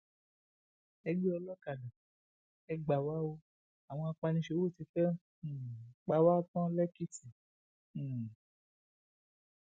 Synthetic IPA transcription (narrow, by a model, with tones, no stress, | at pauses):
ɛ˧ɡ͡bi˦ɔ˧lɔ˦ka˨dã˨ | ɛ˧ɡ͡ba˨wa˦o˧ | a˨w̃ɔ̃˧a˧k͡pa˧nĩ˧ʃe˧˦wo˦˨ti˧fɛ̃˦˨ | k͡pa˧wa˦tɔ̃˦lɛ˦ki˦tĩ˨